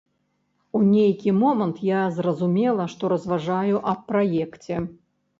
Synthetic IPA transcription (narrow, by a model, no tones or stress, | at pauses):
unʲejkʲimɔmɐnt̪jazrɐzumʲɛlˠɐʂt̪ɔɾɐzvaʐajuʔɐppːɾajɛkt͡sʲɛ